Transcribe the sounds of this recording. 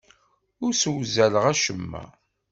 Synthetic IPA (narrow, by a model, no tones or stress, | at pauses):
ʊɾswzæləʁæʃəmːæ̰